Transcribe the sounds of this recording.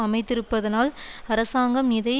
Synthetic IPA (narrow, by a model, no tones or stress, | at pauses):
ɐmɐɪt̪ːɪɾɯpːɐðɐnaːlɐɾɐsaːŋɡɐmnɪðɐɪ